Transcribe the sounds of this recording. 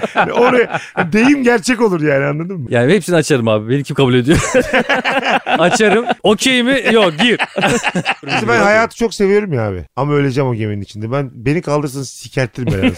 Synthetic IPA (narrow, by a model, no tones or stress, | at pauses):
oɾa | d̪e̞jimɟæɾt͡ʃʰɛco̞lˠuɾjaːnianlˠad̪ɯmːjaːnihepsiniat͡ʃaɾɯmaːbibenimcʰimkʰabulʲe̞d̪ijo | at͡ʃʰaɾɯmocʰejmijokɟiɾ | isibænhajaːt̪ʰɯ̥t͡ʃʰo̞kse̞vijo̞ɾumjaːbɪ̰amaøjlʲe̞d͡ʒɛmo̞ɟemeninit͡ʃʰind̪ɛbænbe̞nikʰalˠd̪ɯɾs̬anɯzsicʰæɾt̪ʰːiɾimeɾaz